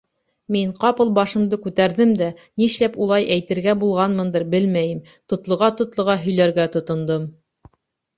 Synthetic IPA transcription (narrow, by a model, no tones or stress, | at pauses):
miɴqɑpɤlˠbɑʃɤ̆md̪ɤkʉt̪æɾðɘmd̪æniʃlæpulˠɑjʔæjt̪ɘ̆ɾɡæbulˠʁɑnmɤ̆nd̪ɤɾbɘlmæjɘm | t̪ŏt̪lˠŏʁɑt̪ŏt̪lˠŏʁɑɦɵ̆jlæɾɡæt̪ŏt̪ŏnd̪om